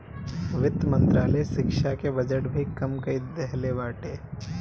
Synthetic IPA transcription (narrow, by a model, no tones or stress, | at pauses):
ʋɪt̪ːmɐ̃nt̪ɾaːləjʃɪkʃakeʋɐd͡ʒəɽbʱikɐmkɐid̪ɛɦleʋaːʈeː